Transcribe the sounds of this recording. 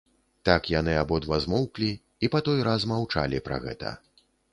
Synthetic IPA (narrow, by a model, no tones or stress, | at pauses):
t̪akjan̪ɨabɔd̪vazmɔwklʲiː | pat̪ɔjɾazmawt͡ʂa̰lʲipɾa̰ɣɛ̰t̪ɐ̰